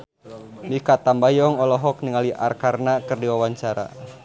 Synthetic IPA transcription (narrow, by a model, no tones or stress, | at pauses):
mikat̪ambajɔŋɔlɔɦɔk̚niŋaliʔa̰rkarnakɨrdiwawaɲt͡ʃaɾa̰